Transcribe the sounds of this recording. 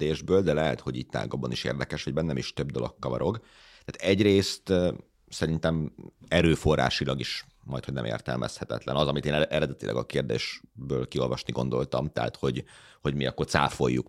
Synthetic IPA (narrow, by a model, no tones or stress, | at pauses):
eːʒbøːld̪ɛlɛɦɛt̪ho̞ɟiːc̚t̪a̰ːɡɒbɒniʃḛːrd̪ɛkɛʃʋɒɟ̚bɛnːɛmiʃt̪øbd̪o̞lokːɒvɒɾoɡ | t̪aːt̪ɛɟreːst̪ | sɛɾint̪ɛmɛɾøːfo̞rːa̰ːʃilɒɡiʃ | mɒjt̪hodnɛ̰mʔḛːrt̪ɛ̰lmʔɛ̰shɛt̪ɛ̰t̪lɛnɒzɒmit̪eːnɛɾɛd̪ɛt̪ilʔɛ̰ɡɒkeːrd̪ḛːʃbøːlkio̞lvɒʃniɡo̞nd̪o̞lt̪ɒmt̪ɛ̰ɦa̰t̪ho̞ɟho̞ɟmiɒkːo̞rt̪sa̰ːfo̞̰jːuk